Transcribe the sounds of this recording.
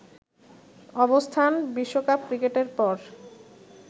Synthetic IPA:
ɔbost̪ʰanbiʃːokap̚kɾikeʈeɾpɔɾ

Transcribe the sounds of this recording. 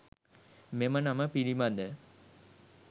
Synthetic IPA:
memɐnɐmɐpiɾimɐnd̪ə

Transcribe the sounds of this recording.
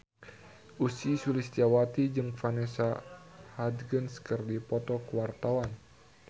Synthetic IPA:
ʔusisulisawat̪id͡ʒɨŋfanɛsahad̪ɡənskɨrdipɔt̪ɔkəwart̪awan

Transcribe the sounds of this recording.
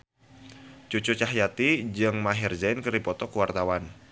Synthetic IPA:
t͡ʃot͡ʃot͡ʃaɦjat̪id͡ʒɨŋmaɦɪrd͡ʒaɪnkəɾipɔt̪ɔkəwart̪awan

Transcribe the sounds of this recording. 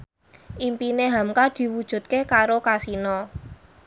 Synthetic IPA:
ʔimpineɦamkad̪̥i̤wud̥ʒ̥ṳt̪̚kekaɾokasinɔ

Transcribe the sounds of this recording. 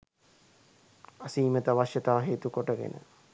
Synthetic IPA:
asiːmət̪əʋaʃjət̪aːɦeːt̪ukoʈəɡḛnʔə̰

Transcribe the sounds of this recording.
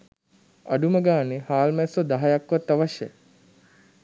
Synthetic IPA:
ɐɖuməɡaːnehaːlmæsod̪aɦɐjakʋɐt̪ːɐʋaʃḛ

